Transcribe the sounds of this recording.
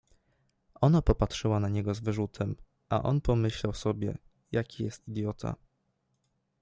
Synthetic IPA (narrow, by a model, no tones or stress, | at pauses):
ʔɔnapɔpatʂɘwanaɲɛɡɔzvɘʐut̪ʰɛm | ʔa̰ʔɔnpɔmɘɕlawsɔbʲjɛ̰ | jakʲijɛst̪id̪jɔt̪ʰa̰